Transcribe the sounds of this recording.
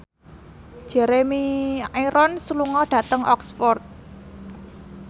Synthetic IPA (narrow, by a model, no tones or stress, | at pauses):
ʒ̥ɛ̤ɾemiaiɾʔɔnsəluŋɔɖ̥ä̤t̪əŋʔɔksfɔrt̪̚